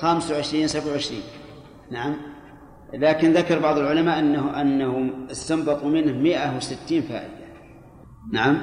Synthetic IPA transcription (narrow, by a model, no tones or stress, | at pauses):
xamsawʕɪʃɾiːnsabʕawʕɪʃɾḭːn | naʕam | laːkɪnðakɑɾˤbɑʕðˤəlʕʊlamaːʔanːaʔanːahʊmɪst̪ambɑt̪ˤumɪnhʊmɪʔawɪsɪt̪ːiːnfa̰ːʔɪd̪a | naʕam